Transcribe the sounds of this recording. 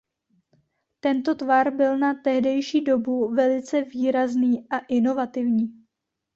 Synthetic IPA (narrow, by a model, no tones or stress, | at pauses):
t̪ɛnt̪o̞t̪vaɾbɪlnat̪ɛɦdɛjʃiːdo̞buvɛlɪt͡sɛviːɾazniːʔaʔɪno̞vat̪ɪvɲiː